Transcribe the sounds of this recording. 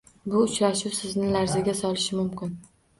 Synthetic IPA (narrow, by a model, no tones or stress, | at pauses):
bʊʊt͡ʃɾaʃɪwsɪznɪlaɾzaɡʲasɒlɪʃɪmʊmkʲɪn